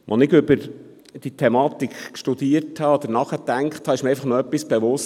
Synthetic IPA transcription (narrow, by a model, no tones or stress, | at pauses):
ʋʔɔnɪɡʏbəɾ | d̥it̪ʰɛmɑːt̪ikkʃtud̪iərthɑɔd̪ənɑχətæŋkχthɑɪʃmiəɾɛjfɑχnɔœpːisb̥eʋʊs